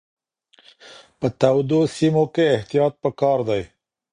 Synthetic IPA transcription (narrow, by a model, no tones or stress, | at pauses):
pət̪awd̪osimokeːht̪ijɑt̪̚pəkɑɾd̪aj